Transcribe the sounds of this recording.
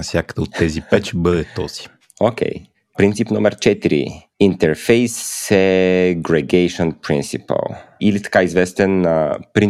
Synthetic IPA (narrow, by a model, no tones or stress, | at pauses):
sjakəd̪əot̪ːɛzipɛt͡ʃɛbəd̪ɛt̪ɔz̥i̥ | okʲɛ̰j | pɾint̪sipnomɛɾt͡ʃɛt̪iɾḭ | int̪ɛɾfejsːɛɡɾɛɡejʃɔnpɾḭnsipə̰lˠilit̪ɐ̥kaizvɛst̪ɛnəpɾin